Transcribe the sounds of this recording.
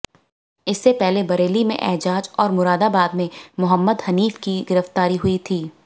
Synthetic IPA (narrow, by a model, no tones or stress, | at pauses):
ɪsːepɛɦlebɐɾeːlimḛ̃ʔɛɦd͡ʒaːd͡ʒɔːɾmʊɾaːd̪abaːd̪mẽmʊɦəmːəd̪hɐniːfkiɡɪɾəft̪aːɾiɦʊit̪ʰiː